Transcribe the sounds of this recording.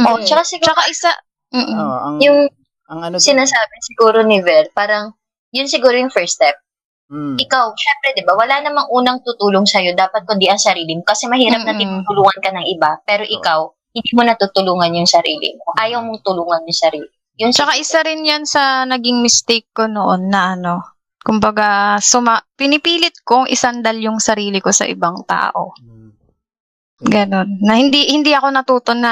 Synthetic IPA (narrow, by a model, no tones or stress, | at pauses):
ʔoʔt͡ʃɐkasɪɡut͡ʃɐkaʔɪsa | m̩ːʔjʊŋ | ŋsɪnaːsaːbɛsɪɡuːɾonɪvɛlpaːɾɐŋ | jʊnsɪɡuːɾojʊŋfɛɹst̪ɛp̚ | ʔɪkawʃɛmpɾɛd̪ɪbawɐlanɐmaŋʔuːnɐŋt̪ʊt̪uːloŋsɐjo̞d̪aːpɐt̪̚kʊnd̪iʔɐŋsɐɾiːlɪmokɐsɛmɐhiːɾɐp̚nɐt̪ɪnut̪ʊluːŋɐnkɐnɐŋʔɪbapɛːɾo̞ʔɪkaw | hɪnd̪iːmonɐt̪uːt̪ʊluːŋɐnjʊŋsɐɾḭːlɪ̰moʔʔaːjɐwmoŋt̪ʊluːŋɐnjʊŋsɐɾiːlɪ | jʊŋt͡ʃɐkaʔɪsaɾɪnjansɐnɐɡɪŋmɪst̪ɛkːonoʔonːɐʔɐno̞ | kʊmbɐɡasʊmɐpɪnɪpiːlɪt̪̚koŋʔɪ̰sand̪ɐljʊŋsɐɾiːlɪko̞sɐ̰ʔɪ̰baŋt̪a̰ːʔo̞̰ | ɡɐno̞nːɐhɪnd̪ihɪnd̪iʔɐko̞nɐt̪uːt̪onɐ